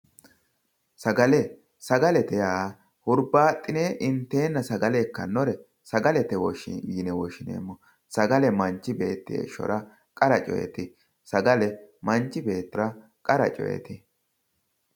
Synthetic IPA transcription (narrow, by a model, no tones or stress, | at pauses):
sɐɡɐlɛ | sɐɡɐlɛt̪ɛjaː | hʊɾbaːt̪ʼːɪneːʔɪnt̪ːeːnːɐsɐɡɐlekːɐnːɔɾɛ | sɐɡɐlɛt̪ɛwɔʃɪ̰jiːnɛwɔʃɪnḛːmːɔ | sɐɡɐlɛmɐɲt͡ʃːɪbe̞ːt̪ːɪḛːʃːɔ̰ɾɐ | kʼɐɾɐt͡ʃʼɔ̰jɛ̰t̪ɪ | sɐɡɐlɛmɐɲt͡ʃːɪbe̞ːt̪ːɪɾɐ | kʼɐɾɐ̰t͡ʃʼɔ̰jɛ̰t̪ɪ